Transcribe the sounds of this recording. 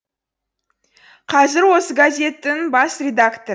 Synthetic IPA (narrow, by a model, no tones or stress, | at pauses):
qʰɑzɪɾwo̞səɡazʲe̞t̪ːɪŋbɑsrʲed̪akt̪o